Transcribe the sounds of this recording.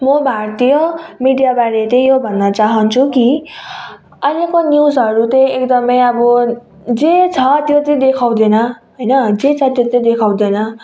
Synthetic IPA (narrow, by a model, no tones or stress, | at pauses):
mʌbʱaɽt̪ʰijomiɖijabaɽet̪ʌĩjobʱʌnːʌt͡saɦʌnt͡sʰuki | ʌlekonjusʌɾut̪ʌjekd̪ʌmʌjʌbʌ | d͡zet͡sʰʌt̪jot̪ʌ̃d̪ekʰaw̃d̪enʌɦojnʌd͡zet͡sʰʌt̪jot̪ʌ̃d̪ekʰaw̃d̪enʌ